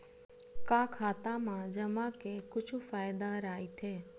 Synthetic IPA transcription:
kãkʰaːt̪amãd͡ʒəmãkekʊt͡ʃʰufaːjd̪aɾajt̪ʰe

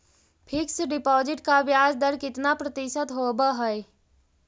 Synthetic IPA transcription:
pʰɪksɖɪpɔːd͡ʒɪʈkaʋjaːd͡ʒd̪əɾkɪt̪napɾət̪ɪʃət̪ɦobəɦɛj

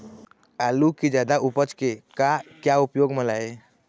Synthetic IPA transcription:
alukid͡ʒad̪aʔupət͡ʃkekakjaupjoɡməlae

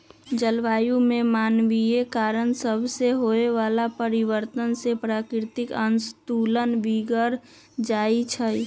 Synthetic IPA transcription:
d͡ʒəlʋaːjũmemaːnʋiekaːɾənsəbʱseɦoeʋalapəɾiʋəɾt̪ənsepɾaːkɾɾt̪ɪkənst̪ulənʋiɡəɾ | d͡ʒaːit͡ʃʰə

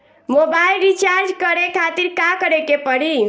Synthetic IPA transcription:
mobailɾit͡ʃaɾd͡ʒkəɾekʰat̪iɾkakəɾekepəɽi

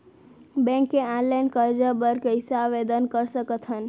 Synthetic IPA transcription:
bẽŋkːeãnlajnkəɾd͡ʒəbəɾkəisaʋed̪ənkəɾsəkət̪ɦən

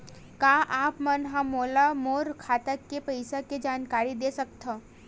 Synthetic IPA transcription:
kaːʔaːpmɐnɦamoːlamoːɾkʰaːt̪əkːepɐɪsaked͡ʒaːnkaːɾid̪eːsɐk̚t̪ʰə

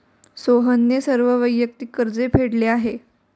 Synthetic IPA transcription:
soɦənːjesəɾʋəʋəjːək̚t̪ikːəɾd͡zepʰeɽleaɦe

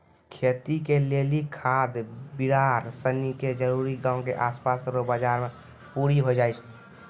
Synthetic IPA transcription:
kʰet̪ikelelikʰad̪biɾaɾsəniked͡ʒəɾuɾiɡãʊ̃keʔaspasɾobəd͡ʒaɾme | puɾiɦod͡ʒaɪt͡ʃʰ

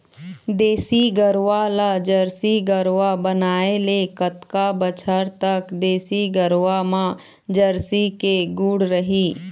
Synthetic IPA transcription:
d̪eːsiɡəɾʋalad͡ʒəɾsiɡəɾʋabənaːelekət̪kabət͡ʃʰəɾt̪əkd̪eːsiɡəɾʋamã | d͡ʒəɾsikeɡuːɽɾəɦiː

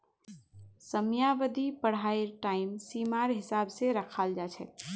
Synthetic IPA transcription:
səmjaʋəd̪ipəɽ̤aeɾʈaɪmsiːmaɾɦɪsabseɾəkʰaːld͡ʒat͡ʃʰɛ̰

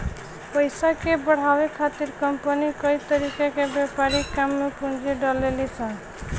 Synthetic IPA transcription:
pəjsakebəɽ̤awekʰat̪iɾkəmpənikəjt̪əɾikakebepaɾikamːepund͡ʒiɖəlelit͡ʃʰən

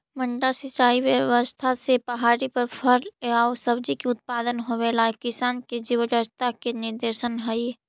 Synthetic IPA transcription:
məɳɖasɪt͡ʃaːiʋjəʋəst̪ʰasepɐɦaːɾipɐɾpʰəɾaːosəbd͡ʒikiʊt̪̚paːd̪ənɦoʋeːlakɪsaːnked͡ʒiwəɡəɾt̪akenɪɾd̪eːɾʃənɦəi

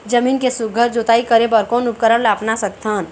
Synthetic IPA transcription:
d͡ʒəmiːnkesuɡʱəɾd͡ʒot̪aikəɾebɔɾkɔːnup̚kəɾəɽlaːpnasək̚t̪ʰən

